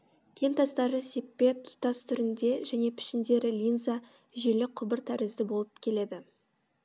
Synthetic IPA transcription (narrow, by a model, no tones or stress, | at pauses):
kʲʰe̞nt̪ɑst̪ɑɾəse̞pːe̞t̪ʰːʊ̥st̪ɑst̪ʰʏɾɪnd̪e̞ʒæne̞pʰɪ̥ʃɪnd̪e̞ɾɪlʲijnza | ʒelɪqʰʊbɪɾt̪ʰæɾɪzd̪ɪbo̞lˠəp̚kʲʰe̞le̞d̪ɪ